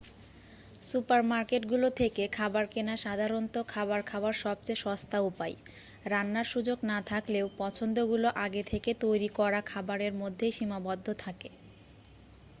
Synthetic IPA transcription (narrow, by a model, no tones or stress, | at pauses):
supaɾmaɾkeʈɡulot̪ʰekekʰabaɾkenaʃad̪ʱaɾont̪okʰabaɾkʰawaɾʃɔb̚t͡ɕejʃɔst̪aupaj | ɾanːaɾʃud͡ʑoɡnat̪ʰakleopɔt͡ɕʰond̪oɡuloʔaɡet̪ʰeket̪ojɾikɔɾakʰabaɾeɾmod̪ʱːeʃimabɔd̪ʱːot̪ʰake